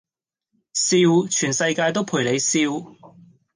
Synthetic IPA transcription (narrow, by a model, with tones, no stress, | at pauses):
siː˧wt͡ʃʰyː˨˩nsɐ˧jkaː˧jt̪o˥wpʰuː˨˩jle˨˧jsiː˧w